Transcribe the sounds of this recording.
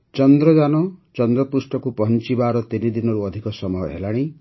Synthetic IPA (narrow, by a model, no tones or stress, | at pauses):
t͡ʃɔnd̪ɾɔd͡ʒanɔt͡ʃɔnd̪ɾɔpusʈɔkupɔɦnt͡ʃibaɾɔt̪inid̪inɔɾuɔd̪ʱikɔsɔmɔjɔ̰ɦḛlaɽ̃i